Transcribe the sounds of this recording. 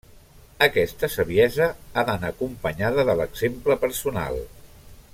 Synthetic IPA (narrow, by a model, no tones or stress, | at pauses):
əkɛst̪əsəβiɛzəaðənakumpəɲaðəðələɡzempləpəɾsuna̰lˠ